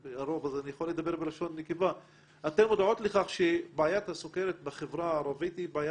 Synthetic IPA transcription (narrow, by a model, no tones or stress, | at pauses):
aɾovazanijaxolːed̪abeɾbelaʃonːikeva | ʔat̪enmod̪ʕot̪leχaχʃebaajat̪hasokeɾet̪̚beχevɾaaɾˤavit̪ibaaja